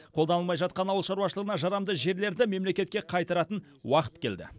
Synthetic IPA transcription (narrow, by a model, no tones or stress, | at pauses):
qʰolˠd̪ɑnəlˠmɑjʒɑt̪̚qɑnɑwəlˠʃɑɾuwɑʃəlˠʁənɑʒɑɾɑmd̪əʒe̞ɾle̞ɾd̪ɪme̞mle̞kʲe̞t̪̚kʲeqʰɑjt̪ɑɾɑt̪ən | wɑqə̥t̪kʲʰe̞ld̪ɪ̰